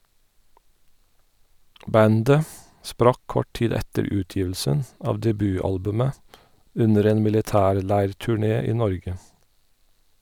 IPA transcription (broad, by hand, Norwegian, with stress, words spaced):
ˈbændə ˈspɾɑk ˈkɔʈ ˈtiːd ˈɛtəɾ ˈʉːˌtjiːʋl̩sən ˈɑːʋ dɛˈbyːˌɑlbʉmə ˈʉnəɾ ˈeːn mɪlɪˈtæːɾˌlæɪɹtʉˌɳeː ˈiː ˈnɔɹɡə